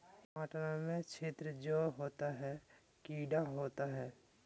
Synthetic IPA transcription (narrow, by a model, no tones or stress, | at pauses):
aːʈnamẽt͡ʃʰeːt̪ɾəd͡ʒoːɦoːt̪aɦɛ | kiːɖaɦoːt̪aɦɛː